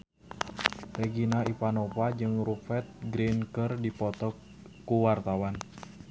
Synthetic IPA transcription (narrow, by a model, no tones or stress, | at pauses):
rɛɡinaipanopad͡ʒɨŋrufɛt̪̚ɡɾinkərdipɔt̪ɔ | kuwart̪awan